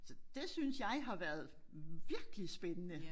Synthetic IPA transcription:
sd̥e̝synsjɑ̈ɪɦɑ̈ʋæɐð̞̩ˠʋiɐɡ̥əlisb̥enənə

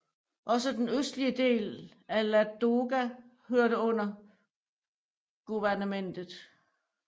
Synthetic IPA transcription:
ʔɒ̽səd̥enøsd̥liəd̥e̝̰ːl | ælæd̥o̝ɡ̥æ | høɐɾ̥əɔ̽n̰ɐ | ɡ̥uʋæɐnəmen̰d̥ð̩ˠ

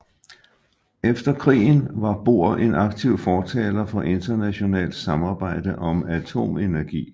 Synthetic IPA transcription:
efd̥ɐkʰʁḭːn̩ʋɑ̈b̥o̝ɐ̰e̝nɑ̈ɡ̥̚t͡sʰiʊ̰fɒːt͡sʰɛ̰ːlɐfɒ̽ʔe̝nd̥ɐnæɕo̝nɛ̰ːld̥sɑ̈mɑ̈ːb̥ɑ̈ɪ̰d̥əʔɒ̽mæt͡sʰo̝̰ːme̝næɐɡ̥ḭː

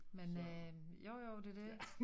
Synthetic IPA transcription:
menøjoʊ̰joʊd̥e̝de̝

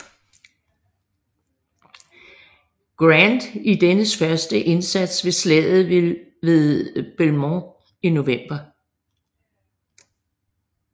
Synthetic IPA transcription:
ɡ̥ʁænd̥id̥enəsfɶɐsd̥əʔe̝nsæd̥sʋe̝slɛðˠð̩ˠ | ʋe̝ðˠb̥elmɔ | ino̝ʋem̰b̥ɐ

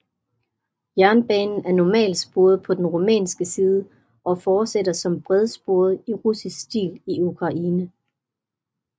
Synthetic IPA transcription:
jæɐnb̥ɛːnn̩æɐnɒmɛ̰ːld̥sb̥o̝ɐð̞̩ˠpʰɒ̽d̥enʁumɛ̰ːnsɡ̥əsiːð̞ˠə | ʔɒ̽fɒːd̥seɾɐsɒ̽mb̥ʁɛð̞ˠsb̥o̝ɐð̞̩ˠiʁusisɡ̥sd̥ḭːliukʰʁɑ̈ʔiːnə

